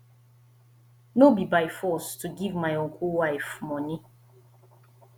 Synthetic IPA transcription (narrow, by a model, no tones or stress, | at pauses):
nobibajfɔstʰuɡivmajɔ̃nkʰuwajfmɔ̃ni